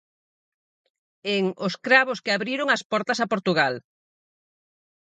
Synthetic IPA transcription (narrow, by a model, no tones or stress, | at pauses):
eŋʊskɾaβ̞oskɪaβɾiɾoŋɐspɔɾt̪ɐsɐpoɾt̪uɣal